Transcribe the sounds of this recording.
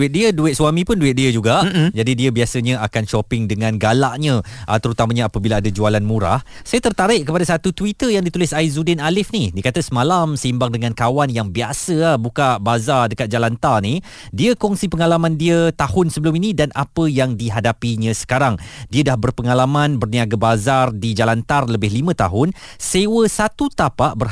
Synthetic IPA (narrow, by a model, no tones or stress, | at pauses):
duɪt̚diəduɪt̪̚swamĩpʊnduɪt̪̚diəd͡ʒuɡaʔd͡ʒadidiəbiasəɲə̃akanʃɔpɪŋdəŋãnɡalaʔɲə̃ʔət̪əɾut̪amaɲãːpəbilaːdad͡ʒualanmuɾa̰h | sajət̪ərt̪aɾɪʔkəpadasat̪ut̪wit̪əjaŋdit̪ulɪsaizudɪnalɪfnidiəkat̪asəmalamsəimbaŋdəŋãnkawanjaŋbiasəbukaʔbazadəkat̪̚d͡ʒalant̪arni | diəkɔŋsipəŋalamãndiət̪ahʊnsəbəlʊminĩdanʔapəjaŋdiɦadapiɲãsə̥kaɾaŋdiədahbərpəŋalamãnbərniaɡabazardid͡ʒalant̪arləbɪhlimə̃t̪aɦʊnsewəsat̪ut̪apaʔbər